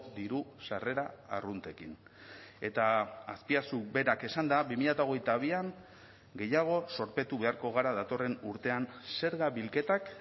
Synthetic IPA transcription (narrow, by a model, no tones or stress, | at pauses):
d̪iɾusare̞ɾa̰ːrunt̪e̞kin | e̞t̪aːspiasube̞ɾake̞sand̪aβimiʎat̪ao̞ɣ̞e̞jt̪aβ̞iaŋ | ɡe̞jaɣ̞o̞so̞ɾpe̞t̪uβe̞aɾko̞ɣ̞aɾaðat̪o̞re̞nuɾt̪e̞anse̞ɾɣaβilke̞t̪ak